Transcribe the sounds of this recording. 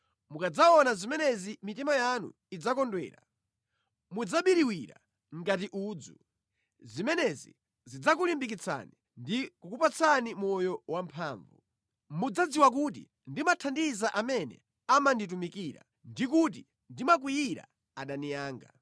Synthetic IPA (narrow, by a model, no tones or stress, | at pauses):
mukad͡zaɔnazimɛnɛzimitimajanṵ | id͡zakɔndwɛ̰ːɾa | mud͡zaɓiɾiwiɾa̰ | ŋ̩ɡatiʔuːd͡zṵ | zimɛnɛzḭ | zid͡zak̬ulimbik̬it͡sʰa̰ni | ndikukupat͡sʰanimɔjɔwampʰaːɱvu | mud͡zad͡ziwak̬ut̬ḭ | ndimatʰandizaʔamɛnɛ̰ | amandit̬umikiːɾa̰ | ndikut̬i | ndimak̬wiiɾa̰ | aɗanijaːŋɡa̰